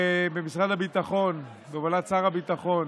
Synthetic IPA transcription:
ebemisʁad̪abit̪aχo̞n | bevalat͡saʁabit̪aχo̞n

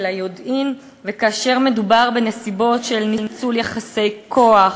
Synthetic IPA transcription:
lajodin | vekaːʃe̞ʁme̞dubaʁbe̞nesibo̞tʃelnint͡suljaχase̞jkʰo̞aχ

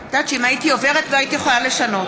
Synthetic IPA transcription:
d̥̪at͡ʃiimaitio̞ve̞ʁetloaitijeχolale̞ʃano̞t

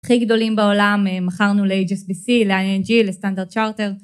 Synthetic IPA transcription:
aχiɡd̪o̞limbao̞lamemaχaʁnuleed͡ʒesbisileaend͡ʒilest̪andaʁd̪̚t͡ʃaʁteʁ

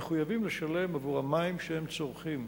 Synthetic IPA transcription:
eχujavimleʃale̞mavuʁhamaimʃehemt͡so̞ʁχim

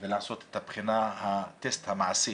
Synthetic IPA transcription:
velaʕaso̞t̪e̥t̪habχinahat̪est̪hamaʕsi

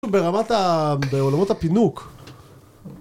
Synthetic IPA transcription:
ube̞ʁamat̪abeo̞lamo̞tapinuk

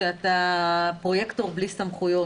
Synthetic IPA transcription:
at̪apʁojɛkt̪oʁblist̪amχujo

